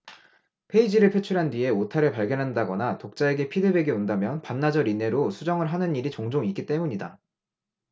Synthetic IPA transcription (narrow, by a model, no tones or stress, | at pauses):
pʰe̞id͡ʑiɾɯɭpʰe̞t͡ɕʰuɾɦandɥie̞otʰaɾepaɭɡjʌnɦandaɡʌnatok̚t͡ɕ͈ae̞ɡe̞pʰidɯbe̞ɡeondamjʌnpanːad͡ʑʌɾine̞ɾosʰud͡ʑʌŋɯɭɦanɯniɾit͡ɕoŋd͡ʑoŋik͈it͈e̞muɲida